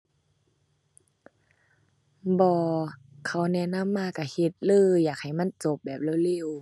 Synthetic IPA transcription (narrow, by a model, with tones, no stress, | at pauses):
bɔː˧kʰa˧˩wnɛ˧˥˨na˧˥˨mːaː˧˥˨ka˧˩he˧˦t̪̚lɯː˧˨jaː˨˩k̚ha˨˩jma˧˥˨nt͡ɕo˧˦p̚bɛː˨˩p̚lɯː˧˥˨le˧˩˨w